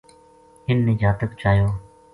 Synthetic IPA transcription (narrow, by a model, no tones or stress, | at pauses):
ɦɪnːɪːd͡ʒaːt̪əkt͡ʃaːjoː